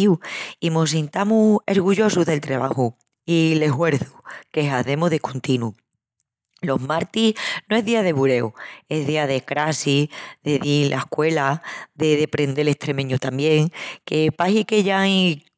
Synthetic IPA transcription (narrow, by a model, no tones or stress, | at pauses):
uimos̬int̪amueɾɣuʝo̞s̬uðe̞lt̪ɾaβahu | ile̞ɦwe̞ɾθu̥ke̞ɦaθe̞moðekʰont̪inu | lo̞ɦmaɾt̪ihnoeɦðiaðe̞βuɾe̞ue̞ɦðiaðe̞kɾasiðeðilʔa̰hkwe̞laðeðe̞pɾe̞nd̪e̞le̞ht̪ɾe̞mẽɲut̪ambje̞ŋke̞paɦikeʎaj